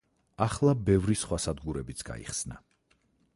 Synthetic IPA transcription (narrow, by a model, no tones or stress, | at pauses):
aχlˠabɛvɾisχwasad̪ɡuɾɛbit̪sʰɡ̥a̰ḭχsna